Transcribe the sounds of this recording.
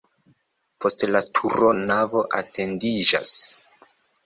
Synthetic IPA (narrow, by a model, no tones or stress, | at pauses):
pʰo̞stlatʰuɾo̞navo̞ʔate̞ndid͡ʒa̰s